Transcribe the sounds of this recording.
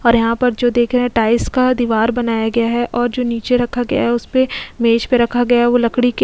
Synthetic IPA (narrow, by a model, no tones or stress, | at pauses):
ɔːɾjɐɦãpɐɾd͡ʒoːd̪eːkʰɾɛɦɛ̃ʈaːɪskad̪iʋaːɾbɐnaːjaɡɐjaɦɛʔɔːɾd͡ʒoːniːt͡ʃeɾɐkʰaɡɐja̰ɦɛʊspemeːt͡ʃpeɾɐkʰaɡɐjaɦɛʋolɐkɽik